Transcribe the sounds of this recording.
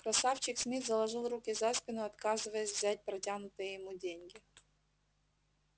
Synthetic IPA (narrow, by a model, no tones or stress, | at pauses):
kɾɐsaft͡ɕɪksʲmʲizəlˠɐʐɨlˠrukʲɪzaspʲɪnʊɐt̪kazɨvəjəsʲvzʲæt̚ʲpɾɐtʲanʊt̪ɨjəjɪmudʲenʲɡʲɪ